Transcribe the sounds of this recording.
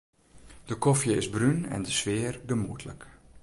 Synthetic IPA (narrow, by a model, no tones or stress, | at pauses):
d̥əkɔfjəɪzbrynɛ̰ndəsʋɪːrɡəmuətʰlə̰k